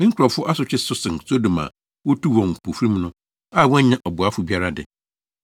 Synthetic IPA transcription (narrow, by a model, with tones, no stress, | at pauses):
mĩ˦ŋ̩˦kʊ˨ɾɔ˨fʊ˦ʔa˦sʊ˨t͡ɕʰᶣɪ˦sʊ˦sɪ̃˨n˨so˦do˨mã̰˨ | wo˦tʰu˦wɔ̃˨ŋ̩˨pʰo˨fɾĩ˦m˦nʊ̃˦ | a˦˨wɔ̃˦ɲã˦ʔɔ˨bʊ˨a˦fʊ˨bi˦a˦ɾa˦dɪ̰˨